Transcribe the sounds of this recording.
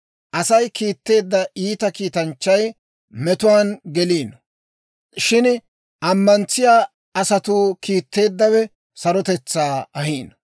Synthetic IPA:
ʔɐsɐjkiːt̪ːe̞ːd̪ːɐiːt̪ɐkiːt̪ɐnt͡ʃːɐj | mɛt̪ʊwaːnɡɛliːn | ʃɪn | ʔɐmːɐnt͡sːɪjaː | ɐsɐt̪uːkiːt̪ːe̞ːd̪ːɐwɛ | sɐɾɔt̪ɛt͡sːaːɐhiːn

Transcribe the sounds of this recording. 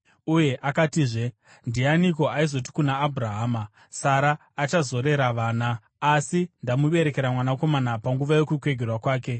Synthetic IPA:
uje̞ʔakatiːʐe̞ | ndianiko̞aizo̞t̬i̥kunaːbʱuraɦaːma | saɾaː | t͡ʃazo̞ɾe̞ɾaʋaːnaː | sindamuɓe̞ɾe̞ke̞ɾamwanako̞manapaŋɡuʋaje̞kukwe̞ɡʱerwakwaːke̞

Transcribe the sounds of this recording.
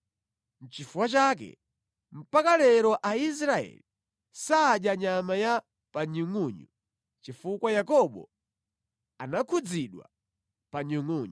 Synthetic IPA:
n̩t͡ʃifuwat͡ʃak̬ɛ̰ | m̩pakalɛɾɔʔais̬ɾaɛ̰li | saːɗjaɲamaja | paɲuŋuɲṵ | t͡ʃifukwajakɔɓɔ̰ | anakʰud͡ziɗwa̰ | paɲuŋuːɲu

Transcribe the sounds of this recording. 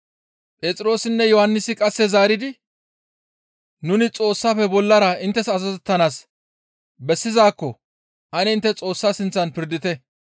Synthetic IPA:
pʼeːt͡sʼɪɾo̞ːsɪnːɛjɔhɐnːɪsɪkʼɐsːɛzaːɾɪd̪ɪ | nʊnɪt͡sʼo̞ːsːaːfɛbɔlːɐɾɐɪnt̪ːɛsɐzɐzɛt̪ːɐnaːs | bɛsːɪzaːkːɔ | ʔɐnɛɪnt̪ːɛt͡sʼo̞ːsːaːsɪnt͡sːɐnpɪɾd̪ɪt̪ɛ

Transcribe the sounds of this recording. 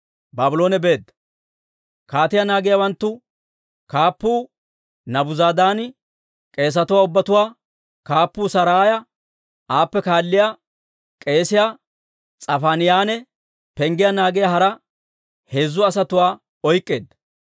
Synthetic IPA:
baːbʊlo̞ːnɛbe̞ːd̪ːɐ | kaːt̪ɪjanaːɡɪjawɐnt̪ːʊ | kaːpːuː | nɐbʊzaːd̪aːnɪ | kʼe̞ːs̬ɐt̪ʊwaːʊbːɐt̪ʊwaː | kaːpːuːsɐɾaːjɐ | aːpːɛkaːlːɪja | kʼe̞ːsɪja | t͡sʼɐfaːnɪjaːnɛ | pɛŋɡɪjɐnaːɡɪjaɦɐɾɐ | he̞ːzːʊɐsɐt̪ʊwaː | ɔjkʼːe̞ːd̪ːɐ

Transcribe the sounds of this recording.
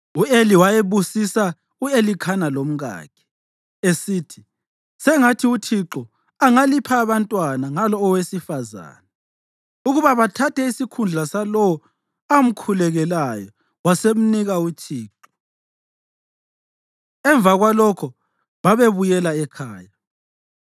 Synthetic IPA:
ueliwajeβusisa | uelikʰanalom̩ɣa̰ːkʰɛ̥ | esiːtʰi̥ | sɛŋatʰiut͡ʃʰiǁɔ | aŋalipʰaːβantʼwanaŋalɔːwesifaza̰ːna | uɣuβaβatʰatʰɛisikʰund͡ɮʱasalɔwɔ | am̩kʰulɛɣɛlajɔ | wasem̩niɣaut͡ʃʰiːǁɔ̥ | ɛɱvaɣwalɔkʰɔ | βaβeβujɛlaɛkʰaːja

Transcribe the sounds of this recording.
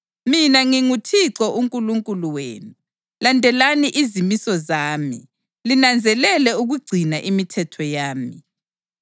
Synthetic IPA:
minaŋiŋutʰiǀɔʔuŋkʼuluŋkʼuluwḛːnu | landʱɛlaniʔizimisɔzaːmḭ | linand͡zʱɛlɛlɛuɣuɡ͡ǀʱinaʔimitʰɛtʰɔjaːmi

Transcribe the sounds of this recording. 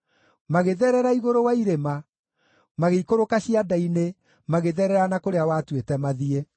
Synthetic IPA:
maɣeðɛɾɛɾaiɣoɾowaiɾema | maɣeikoɾokaɕiadaine | maɣeðɛɾɛɾanakoɾeawaːtwetɛmaðie

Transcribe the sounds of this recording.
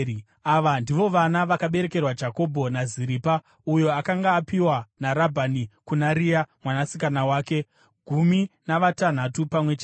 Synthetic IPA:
aʋandiʋo̞ʋanaʋakaɓe̞ɾe̞ke̞rwad͡ʒako̞bʱo̞naziɾiːpa | ujo̞akaŋɡaːpiwanaɾabʱanikunaɾijamwanasikanawaːke̞ | ɡʱuminaʋatan̤atupamwe̞t͡ʃa

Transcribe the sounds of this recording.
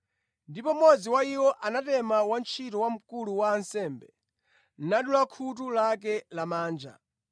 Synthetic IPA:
ndipɔmɔd͡ziwaiwɔʔanatɛmawant͡ʃʰitɔwam̩kuluwaːnsɛːmbɛ | naɗulakʰut̬ulak̬ɛlamaːnd͡ʒa̰

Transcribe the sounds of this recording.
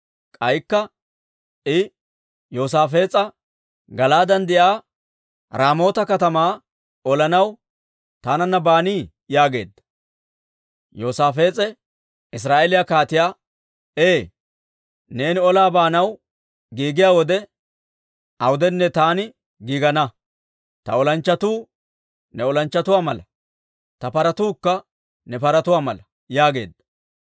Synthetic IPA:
kʼɐjkːɐ | ʔɪ | jo̞ːs̬aːfe̞ːt͡sʼɐ | ɡɐlaːd̪ɐnd̪ɪʔaː | ɾaːmo̞ːt̪ɐkɐt̪ɐmaː | ɔlɐnɐw | t̪aːnɐnːɐbaːniː | jaːɡe̞̰ːd̪ːɐ | jo̞ːsaːfe̞ːt͡sʼɛ | ɪs̬ɾaːʔeːlɪjakaːt̪ɪjaː | eː | ne̞ːnɪɔlaːbaːnɐw | ɡiːɡɪjaːwɔd̪ɛ | ʔɐwʊd̪ɛnːɛt̪aːnɪ | ɡiːɡɐnɐ | t̪ɐɔlɐnt͡ʃːɐt̪uː | nɛɔlɐnt͡ʃːɐt̪ʊwaːmɐlɐ | t̪ɐpɐɾɐt̪uːkːɐ | nɛpɐɾɐt̪ʊwaːmɐlɐ | jaːɡe̞̰ːd̪ːɐ̥

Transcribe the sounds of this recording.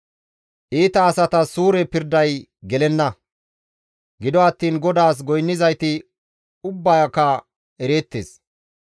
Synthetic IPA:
ʔiːt̪ɐːsɐt̪ɐsuːɾɛpɪɾd̪ɐjɡɛlɛnːɐ | ɡɪd̪ɔɐt̪ːiːnɡɔd̪aːs̬ɡɔjnːɪzɐjt̪ɪ | ʊbːɐjɐkːɐ | ɛɾeːt̪ːeːs

